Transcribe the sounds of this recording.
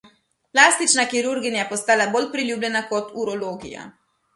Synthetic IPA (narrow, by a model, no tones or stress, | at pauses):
plaːst̪it͡ʃnakiɾuɾɡinjapɔst̪aːlaboːlpɾilʲjuːblʲɛnakɔt̪uɾɔloːɡḭja̰